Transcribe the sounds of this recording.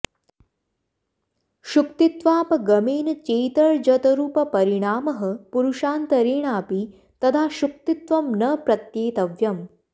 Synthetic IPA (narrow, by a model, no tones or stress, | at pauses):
ʃukt̪it̪ʋaːpɐɡɐmeːnɐt͡ʃeːjt̪ɐɭd͡ʒɐt̪ɐɾuːpɐpɐɾiɳ̃aːmɐɦɐ̆puɾuʃaːnt̪ɐɾeːɳ̃aːpi | t̪ɐt̪ʰaːʃuk̚t̪it̪ʋɐmnɐpɾɐt̪jeːt̪ɐʋjɐm